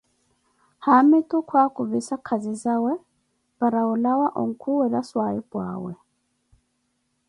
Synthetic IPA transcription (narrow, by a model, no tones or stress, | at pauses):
hamɪtʼʊkʰwakʊbisakʰazizawɛ | b̥aɾaʊlawaʔɔ̰ŋ̩kʰuwɛdaswaibwa̰ːwɛ̰